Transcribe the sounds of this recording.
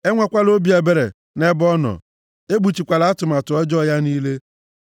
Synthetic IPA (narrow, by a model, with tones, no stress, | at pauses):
e˦ŋʷa˦˨kʷa˦lo˦bi˨˦e˨be˨ɾe˨ | ne˦bɔ˦nɔ̰˨ | e˦ɡ͡bu˨t͡ʃi˨kʷa˨la˨˦tʊ˨ma˨tʊ˨ɔ˦d͡ʒɔ˦˨ja˦niː˦le˦